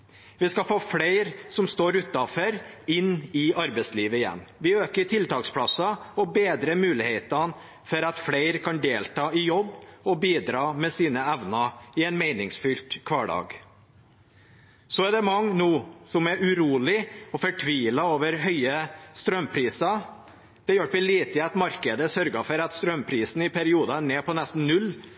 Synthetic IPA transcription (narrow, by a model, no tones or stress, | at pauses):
ʋɪskɑfoːfleɪɾsɔmst̪oːɾʉt̪ːɑfœɾɪnːɪɑɾbɛɪsliːʋəɪjɛ̰nːʋɪøːkəʈʰɪlt̪ɑːkspʰlɑsɑɔbeːd̪ɾəmʉːlɪheːt̪ɑn | fɔɾɑt̪fleɪɾkʰɑnd̪eːlt̪ɑːɪjɔbːɔbiːd̪ɾɑːmɛsiːnəæʋnɑɪɛɪnmæɪnɪŋsfʏlt̪kʰʋɑːɖɑ̰ːɡ | sɔæɖ̪ɛmɑŋːnuːsɔmɛɾʉɾuːlɪɔfɔʈʰʋiːlɑoːʋəɾɦœʏəst̪ɾœmpʰɾiːsɑ | d̪̥ɛjɔʋɪliːt̪ɪɛt̪mɑɾkəd̪əsœɾɡɑfɔɾɑt̪st̪ɾœmpʰɾiːsn̩ɪpʰæɾɪuːd̪ɑneːpɔnɛst̪n̩nʉlː